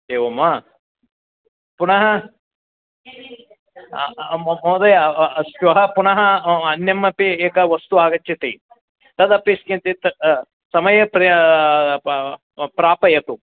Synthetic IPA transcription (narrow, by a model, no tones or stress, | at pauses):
d̪eːʋɐmːa | punɐɦɐ | mod̪ɐsʋɐɦɐpunɐɦɐɐnjɐmːɐpieːkɐʋɐst̪uaːɡɐt͡ʃːit̪ḭ | t̪ɐd̪ɐpːiskint̪it̪ɐ | sɐmɐjɐpɾi | pɾaːpɐjɐt̪u